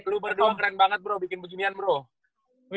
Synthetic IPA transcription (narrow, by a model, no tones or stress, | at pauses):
lubərdoakəɾɛnbaŋət̪̚bɾohbikɪnpəd͡ʒunianbɾo